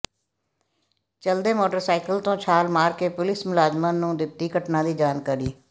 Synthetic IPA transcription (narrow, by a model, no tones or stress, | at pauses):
t͡ʃəld̪eːmoːʈəɾsaːɪkəlt̪õːt͡ʃʰaːlmaːɾkeːpʊlɪsmʊlaːd͡ʒmãːnũːd̪ɪp̚t̪iːkəʈnãːd̪iːd͡ʒaːnkəɾiː